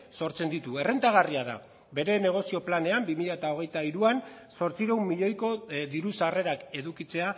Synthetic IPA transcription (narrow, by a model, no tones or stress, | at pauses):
so̞ɾt͡se̞nd̪it̪ue̞re̞nt̪aɣ̞ariaða̰ | be̞ɾe̞ne̞ɣ̞o̞sio̞plane̞ambimiʎaet̪ao̞ɣ̞e̞jt̪aiɾuan | so̞ɾt͡siɾewmːiʎo̞jko̞ðiɾusare̞ɾake̞ðukit͡se̞a